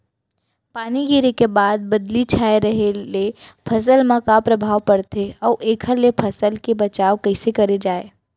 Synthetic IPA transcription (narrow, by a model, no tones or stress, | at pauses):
paːniɡiːɾekebaːd̪̚bɐd̪lit͡ʃʰaːeɾɐɦelepʰɐs̬əlmãkapɾɐbʱaːʋpɐɽt̪eɔːʔeːkʰəlepʰɐsəlkebɐt͡ʃaːʋkɐɪsekɐɾed͡ʒaːeː